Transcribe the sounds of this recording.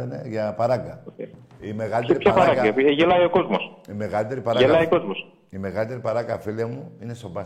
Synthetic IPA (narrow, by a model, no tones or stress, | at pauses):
ɐnḛʝɐpɐɾɐɡɐ | ime̞ɣɐlit̪eɾipçɐɾpɾɐɡɐɐʝelɐio̞ko̞zmosime̞ɣɐlit̪e̞ɾipɐɾɐelɐiko̞zmos | ime̞ɣɐlit̪e̞ɾipɐɾɐɡɐfiliɐmuine̞sobɐ